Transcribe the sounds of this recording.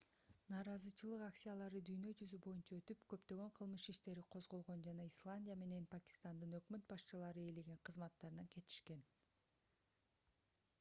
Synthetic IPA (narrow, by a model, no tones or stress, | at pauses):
nɑːɾɑzɯt͡ʃɯlˠɯqaksʲijalˠɑɾɯd̪yjnø̞d͡ʒyzybo̞junt͡ʃɑø̞t̪ypkø̞pt̪ø̞ɡø̞ɴqʰɯlˠmɯʃiʃt̪e̞ɾiqʰo̞zʁo̞lˠʁo̞nd͡ʒɑnɑislˠanʲdʲijame̞ne̞npakʲi̥st̪and̪ɯnø̞kmø̞t̪̚bɑʃt͡ʃɯlˠɑɾɯeleɡeɴqʰɯzmɑt̪ːɑɾɯnɑke̞t̪i̥ʃke̞n